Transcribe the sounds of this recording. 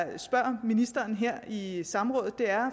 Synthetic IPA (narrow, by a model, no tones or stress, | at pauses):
sb̥ɶɐ̰minisd̥ɐːnɦeɐ̰isɑ̈mʁɔ̽ːð̩ˠd̥e̝æɐ